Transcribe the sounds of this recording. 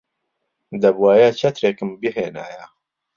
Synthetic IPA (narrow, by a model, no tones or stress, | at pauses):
d̪ɐbwaːjat͡ʃʰɐt̪ɾeːkɨmbiɦeːna̰ːja